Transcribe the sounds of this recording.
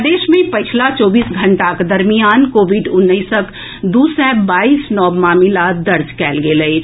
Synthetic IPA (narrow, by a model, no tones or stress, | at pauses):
d̪eːʃmẽpət͡ʃʰlat͡ʃɔːbiːsɡʱə̃ɳʈakd̪əɾmijaːnkoːʋiɖʊnːəisək | d̪uːsɛːbaːiːsnɔːbmaːmɪlat̪̚d̪ɐɾd͡ʒkɛːlɡeːləe